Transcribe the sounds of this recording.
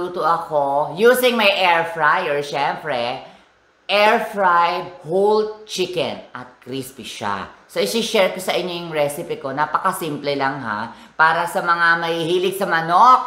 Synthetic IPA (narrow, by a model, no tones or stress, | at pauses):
uːt̪oʔɐkojuːsɪŋmɐjʔɛɹfɹajɔɹʃɛmpɾɛ | ʔɛɹfɹajhult̪̚t͡ʃɪkɛ̰nʔɐt̪̚kɾispiʃa̰soɪsɪʃɛɹkosɐʔɪɲːojʊŋɹɛsɪpɪko̞naːpɐkɐsimplɛlaŋɦa̰paːɾɐsɐmɐŋamɐhihiːlɪɡ̚sɐmɐnok̚